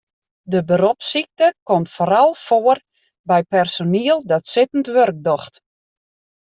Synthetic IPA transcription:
dəbəɾɔpsik̚təkomtfoɾɔlˠfoər | bɛjpɛrsoniəlˠdɔtsɪtən̩tʋørk̚dɔxt

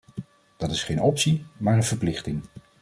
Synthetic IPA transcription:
d̥ɑtɪsχejnɔpsimaːɹənv̥əɹplɪχtɪŋ

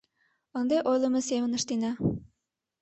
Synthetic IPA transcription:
ɒnd̪ɑjʔojlˠɤ̆mɤsemɘ̆nɤ̆ʃt̪inæ

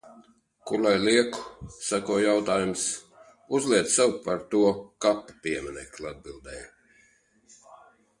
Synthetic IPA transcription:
kuɾlˠajliɛku̥sakɔɔjawt̪aːjums | uzliɛd̪sɛwpaɾt̪uɔkapːḁpʲiɛmɛnɛ̰klˠad̪̚bilˠd̪ɛːj

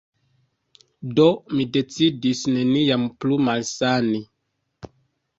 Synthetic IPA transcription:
domidet͡sidisnenijamplumalsani

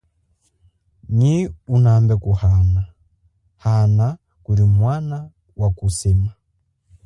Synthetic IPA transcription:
ɲiunambɛkuhana | hana | kulimwana | wakusima

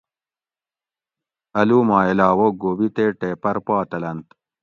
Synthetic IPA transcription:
ɐluːmɑːelɑːwoɡoːbit̪eːʈeːpɐɾpɑːt̪ɐlɐnt̪

